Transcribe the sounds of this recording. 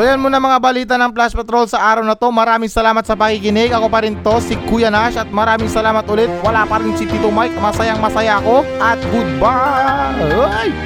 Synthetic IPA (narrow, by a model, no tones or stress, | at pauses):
ojɐnmonɐmɐŋabɐliːt̪ɐnɐŋplaspɛt̪ɾo̞lsɐʔaːɾɐwnɐt̪o̞mɐɾaːmɪŋsɐlaːmɐt̪sɐpɐkikɪnɛɡɐko̞pɐɾɪnt̪o̞sɪkuːjɐnaʃɐt̪̚mɐɾaːmɪŋsɐlaːmɐt̪ʔʊlɛt̪̚wɐlapɐɾɪnsit̪it̪omajk̚mɐsɐjaŋmɐsɐjaɐko̞ʔɐt̪̚ɡʊd̪̚ba | j